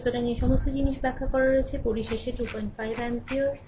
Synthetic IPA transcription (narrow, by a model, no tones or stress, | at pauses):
t̪oʈanieʃɔmost̪od͡ʑiniʃbɛkʰːakɔɾaɾoet͡ɕʰepoɾiʃeʃeʈupɔj̃nʈfajbɛntioɾ